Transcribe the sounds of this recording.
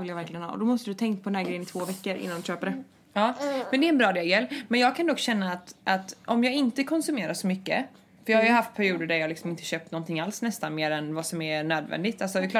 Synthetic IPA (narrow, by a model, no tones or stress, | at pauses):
ɪljavæɾklɪɡənɑ̰ːɔ̰d̪ɔmɔst̪əd̪ɵt̪ʰɛŋkpʰɔd̪ɛnhæɡɾɛjənɪt̪ʰvoːvɛkːəɾʔɪ̰nːand̪ɵɕøːpəɖɛ | ɑːmɛnd̪ɛɾɛnbɾɑːd̪ɛjajɛlːmɛnjɑːɡ̚kʰand̪ɔkːɕɛnːaːt̪ʔat̪ɔmjɑːɡɪnt̪əkʰɔnsɵmeːɾaʂɔmʏkːə̰ | fœɾjɑːhajʉhaft̪̚pʰæɾɪuːd̪əɖæɾjɑːɡlɪksɔmɪnt̪əɕøːp̚t̪nɔnt̪ʰɪŋːalsnɛst̪anmeːɾɛnvasɔmænøːd̪vɛ̰nd̪ɪɡt̪alsɔvɪk̪ʰ